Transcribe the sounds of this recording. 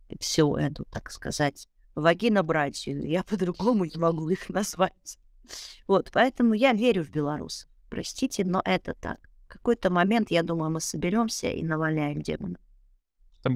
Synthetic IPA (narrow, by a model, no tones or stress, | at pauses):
fsʲuʔɛt̪ʊt̪akskɐ̰zatʲ | vɐɡʲinɐbɾatʲḭjapəd̪ɾʊɡo̞mʊnʲɪmɐɡuixnɐzvatʲ | vo̞t̪pɐɛt̪əmʊjavʲeɾʲʊvbʲɪlˠɐɾṵsə̥fpɾɐ̰sʲtʲitʲɪno̰ʔɛt̪ət̪a̰k | kɐko̞jt̪əmɐmʲe̞nt̪jad̪uməjʊmɨsəbʲɪɾʲo̞msʲə̰ʔḭnəvɐlʲnʲæjɪmdʲḛmənə | t̪